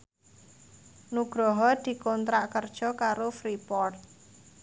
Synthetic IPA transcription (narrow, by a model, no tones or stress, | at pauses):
nuɡ̥ɾɔɦɔd̪̥i̤kɔnt̪ɾaʔkərd̥ʒ̥ɔ̤kaɾofɾipɔrt̪̚